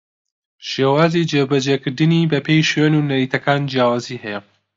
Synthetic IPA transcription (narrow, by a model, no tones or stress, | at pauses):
ʃeːwaːzid͡ʒebɐd͡ʒeːkɨɾd̪ɨniːbɐpʰejʃwenunɐɾiːt̪ʰɐkaːnd͡ʒjaːwaːzihɛjɛ